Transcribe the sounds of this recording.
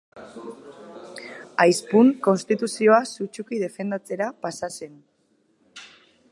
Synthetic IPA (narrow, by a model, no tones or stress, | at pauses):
ajspuŋko̞nst̪it̪usio̞asut͡ʃukiðe̞fe̞nd̪at͡se̞ɾapasase̞n